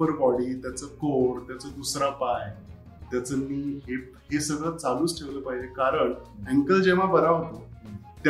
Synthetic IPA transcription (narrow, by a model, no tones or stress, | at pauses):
əɾbɔɽiːt̪jat͡səkoɾt̪jat͡səd̪usɾapaj | t̪jat͡səmiːɦe | hesəɡɭət͡saluːt͡sʈʰeʋləːpaɦid͡ʑekaɾəɳɛŋkəld͡ʑeʋ̤abəɾaɦot̪o | t̪